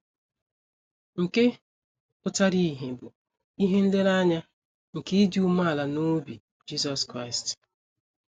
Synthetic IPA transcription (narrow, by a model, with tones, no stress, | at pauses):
ŋ̩˨ke˦ | pʊ˦ta˦ɾi˦˨ɦe˨bʊ˨ | i˦ɦe˦n̩˦le˦ɾa˦ɲa˦ | ŋ̩˨ke˦i˦di˦u˦ma˦a˨la˨no˦bi˨ | d͡ʒi˦sɔ˨skɾa˦ɪ˨st